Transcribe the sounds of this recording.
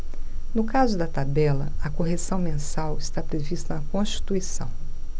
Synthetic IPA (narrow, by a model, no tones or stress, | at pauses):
nʊkazʊd̪ɐt̪abɛlɐ̰ɐkoɦesɐ̃w̃mẽsawɪst̪apɾevist̪ɐnɐkõʃt͡ʃi̥t̪uisɐ̰̃w̃